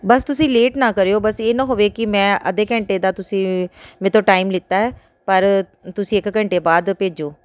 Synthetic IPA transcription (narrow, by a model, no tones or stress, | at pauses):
bəst̪ʊsĩːleːʈnãːkəɾeːoːbəseːnãːɦoːʋeːkɪmɛ̃ːʔə̰d̪eːkəɳʈeːd̪aːt̪ʊsĩːmɛ̃t̪õːʈaːimlɪt̪ːaːɦɛː | pəɾ | t̪ʊsĩːɪkkəɳʈeːbaːd̪peːd͡ʒoː